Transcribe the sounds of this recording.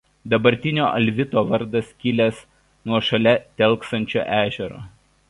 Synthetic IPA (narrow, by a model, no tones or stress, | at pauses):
d̪ɐbɐɾʲt̪ʲɪnʲoːʔɐlʲʋʲɪt̪oːʋɐɾd̪ɐskʲɪlʲɛs | nuɔʃɐlʲɛt̪ʲɛlˠˑksɐnʲt͡ʃʲo̰ːʔæːʒʲɛɾo̰ː